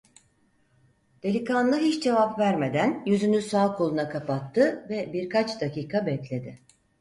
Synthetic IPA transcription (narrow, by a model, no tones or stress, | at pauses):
d̪̥e̞lʲikanlˠɯɦit͡ʃd͡ʒe̞vapvæɾme̞d̪ænjyzynysaːkʰolˠunakʰapat̪ʰːɯvɛbiɾkʰat͡ʃd̪aciːkʰabɛclʲe̞d̪ɪ